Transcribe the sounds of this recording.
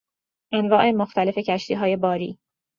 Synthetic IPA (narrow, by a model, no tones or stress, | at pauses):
ʔænvɒːʔe̞moxt̪ʰæle̞fe̞cʰæʃt̪iːɦɒːje̞bɒːɾḭː